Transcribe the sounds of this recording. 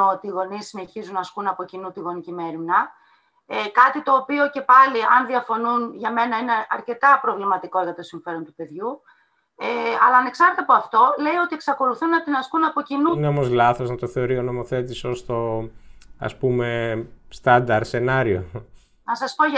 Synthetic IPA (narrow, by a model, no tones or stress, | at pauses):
ot̪iːɣo̞nisine̞çizunɐskunɐpo̞cinut̪iɣo̞nicime̞ɾimnɐ | ekɐt̪it̪o̞ːpio̞ce̞pɐliɐnðiɐfo̞nunʝɐme̞nɐine̞ɐɾce̞t̪ɐpɾo̞vlimɐt̪iko̞ʝɐt̪o̞siɱfe̞ɾo̞nt̪upe̞ðʝu | eɐlɐːne̞ksɐɾt̪ɐpoɐft̪o̞le̞io̞t̪ieksɐko̞luθunːɐt̪inɐskunɐpo̞cinuneo̞mozlɐθo̞znɐt̪oθe̞oɾio̞no̞moθe̞t̪isost̪o̞ | ɐ̰spumest̪ɐnd̪ɐɾse̞nɐɾio̞ | nɐsɐspo̞ʝɐ